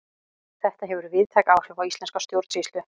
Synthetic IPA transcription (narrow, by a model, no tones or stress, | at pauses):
θɛht̪aɦɛvʏɾʏvɪðt̪ʰajkaːwr̥ɛvawist̪ɛnskawst̪jowɾt̪ist̪ʏ